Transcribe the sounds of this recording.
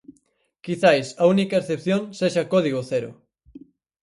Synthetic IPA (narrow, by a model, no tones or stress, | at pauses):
kiθajsɐunikɐesθepθjõŋseʃakɔðiɣ̞oθeɾʊ̰